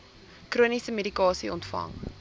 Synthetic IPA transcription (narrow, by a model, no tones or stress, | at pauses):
kruənisəmedikɑːsiɔntfɐ̰ŋ